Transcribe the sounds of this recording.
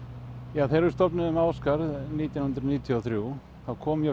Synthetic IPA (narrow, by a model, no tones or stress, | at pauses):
jaːθeɾʏɾst̪ɔpnʏðʏmaːwskaɾðniːt̪janhʏnt̪ɾɔniːt̪ʰjɔɔθɾju | θawkʰɔːmjɛ